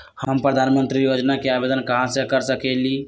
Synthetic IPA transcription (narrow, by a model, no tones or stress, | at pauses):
həmpɾəd̪ʱanmənt̪ɾijod͡ʒnakeabed̪ənkəɦãsẽkəɾsəkeli